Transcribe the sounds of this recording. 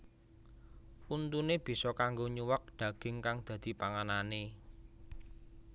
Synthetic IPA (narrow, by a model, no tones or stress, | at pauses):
unt̪uneb̥i̤sɔkaŋɡoɲuwək̚d̪̥ä̤ɡ̥ɪ̤ŋkaŋd̪̥ä̤d̪̥i̤paŋanane